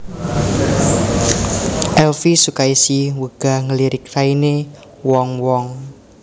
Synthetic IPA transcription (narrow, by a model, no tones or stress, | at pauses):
ʔɛlfisukaisiwəɡ̥a̤ŋəliɾɪk̚saine | wɔŋwɔŋ